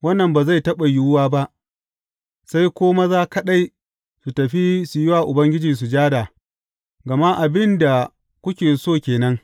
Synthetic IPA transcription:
wɐ˦nːɐ˨mbaː˨za˦˨jtɐ˦ɓa˨jʊ˦wʊ˦waː˦ba˦ʔ | sa˦jkʷoː˦ma˦zaː˦kɐ˦ɗa˦j | su˨tɐ˨ɸi˦su˨jɪ˦waː˨ʔʊ˨bɐ˦ŋɡʲɪ˦d͡ʒi˨s̬u˨d͡ʒaː˦da˨ | ɡɐ˨ma˦ʔa˨bɪ˦nda˨ | kʷʊ˦kʲeː˨soː˦˨kʲeː˨nɐ˦ŋ

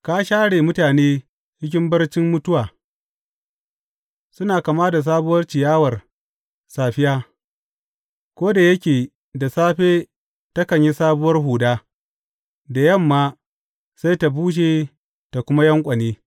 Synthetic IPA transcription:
kaː˦ʃaː˦ɽeː˨mʊ˦taː˨neː˦ | t͡ʃɪ˦kʲɪ˦mbɐ˦rt͡ʃɪ˦mːʊ˦tʊ˦waː˨ | sʊ˦naː˨ka˨maː˦da˨s̬aː˦bʊ˦wɐ˦rt͡ʃɪ˨jaː˦wɐ˨r | saː˨ɸɪ˦jaː˦ | kʷoː˦da˨jɐ˦kʲeː˨ | da˨saː˦ɸeː˦ | tɐ˦kɐ˨ɲji˦saː˦bʊ˦wɐ˦rɦuː˨daː˦ | da˨jɐ˦˨mːaː˦ | sa˦jta˨buː˦ʃ̬eː˨ | ta˨kʷʊ˦ma˦jɐ˦ŋkʷʼɐ˨neː˦

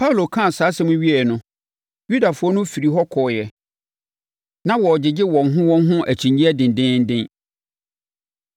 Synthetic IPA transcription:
pʰa˦u˨lo˨kʰã˦˨saː˨˦sɛ̃˦mʊ̃˦ɥi˦ɛ˨nʊ̃˦ | ju˦da˨fʊ˦ɔ˦nʊ̃˦fi˨ɾi˨ɦɔ˦kʰɔː˨jɛ˨ | nã˦wɔ˨d͡ʑɪ˨d͡ʑɪ˦wɔ̃˨ŋɦʊ̃˦wɔ̃˦n˦ɦʊ̃˦ʔæ˨t͡ɕʰĩ˨ɲĩ˦æ˦dɪ̃˨n˨dɪ̃˦n̩˦dɪ̃˦n

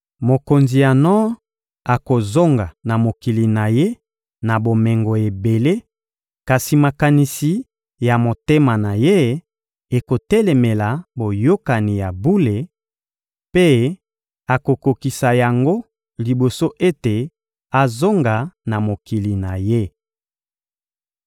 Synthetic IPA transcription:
mo˨ko˨nzi˨ja˨nɔ˦ | a˨ko˨zo˦ŋɡa˨na˨mo˨ki˨li˨na˨je˦ | na˨bo˨mɛ˨ŋɡo˨e˨be˨le˦ | ka˨si˨ma˨ka˨ni˨si˨ | ja˨mo˨te˦ma˨na˨je˦ | e˨ko˨tɛ˦le˨me˨la˨bo˨jo˦ka˨ni˨ja˨bu˦le˨ | pe˦ | a˨ko˨ko˨ki˨sa˨ja˨ŋɡo˦ | li˨bo˨so˦ʔe˦te˨ | a˨zo˦ŋɡa˨na˨mo˨ki˨li˨na˨je˦

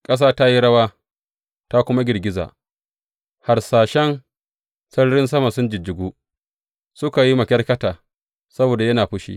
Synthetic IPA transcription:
kʼɐ˦s̬aː˦ta˦ji˦ɽɐ˦waː˦ | ta˦kʷʊ˦ma˦ɡʲɪ˨rɡʲɪ˦za̰ː˨ | ha˨rsaː˨ʃɛ˦n | sɐ˦ɽɽɪ˦ns̬ɐ˦ma˨sʊ˦nd͡ʒɪ˨d͡ʒɪ˨ɡʷuː˦ | sʊ˦ka˨ji˦mɐ˨kʲɐ˦rkɐ˦taː˨ | sɐ˦boː˨da˨jɐ˦naː˨ɸʊ˦ʃḭː˨

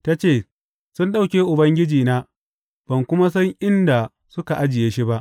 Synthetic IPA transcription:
ta˦t͡ʃeː˦˨ | sʊ˦nɗa˦wkʲeː˦ʔʊ˨bɐ˦ŋɡʲɪ˦d͡ʒiː˨naː˦ | b̥ɐ˨ŋkʷʊ˦ma˦s̬ɐ˦ŋʔɪ˦nda˨ | sʊ˦ka˨ʔa˦d͡ʒɪ˨jeː˦ʃi˦ba˦ʔ

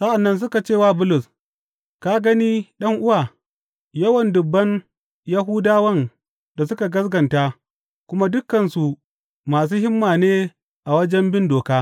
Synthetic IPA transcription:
sa˦ʔa˨nːɐ˦ns̬ʊ˦ka˨t͡ʃeː˦˨waː˦˨bʊ˦lʊ˨s | ka˦ɡɐ˦niː˦ɗɐ˦ŋʔʊ˦waː˨ | jɐ˦wɐ˨ndʊ˨bːɐ˦n | jɐ˦ɦuː˦daː˦wɐ˦n | da˨sʊ˦ka˨ɡɐ˦sɡɐ˨nta˦ | kʷʊ˦ma˦dʊ˦kːɐ˨nsu˨ | maː˨s̬uː˦hɪ˦mːaː˨neː˦ | ʔa˨wɐ˦d͡ʒɛ˦mbɪ˦ndoː˨kaː˦

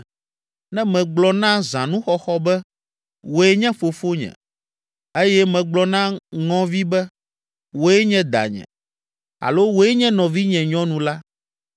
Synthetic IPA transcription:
nɛ̃˦mɛ̃˨ɡ͡blɔ˨nã˦zã˨nũ˦xɔ˦xɔ˦bɛ˦ | wo˨ɛ˦ɲɛ̃˦fo˨fo˦ɲɛ̰̃˨ | e˦jɛ˦mɛ̃˨ɡ͡blɔ˨nã˦ŋɔ̃˦vi˦bɛ˦ | wo˨ɛ˦ɲɛ̃˦d̪a̰˨ɲɛ̰̃˨ | a̰˨lo˦wo˨ɛ˦ɲɛ̃˦nɔ̃˨vi˦ɲɛ̃˨ɲɔ̃˦nũ˨la˦

